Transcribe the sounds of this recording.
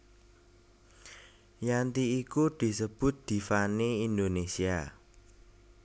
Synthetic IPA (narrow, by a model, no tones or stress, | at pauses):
jant̪iːkud̪̥i̤səb̥ʊ̤t̪̚d̪̥i̤faneind̪onesia